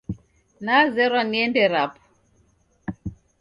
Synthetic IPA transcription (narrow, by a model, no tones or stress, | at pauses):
nazɛɾɔnɛndɛɾap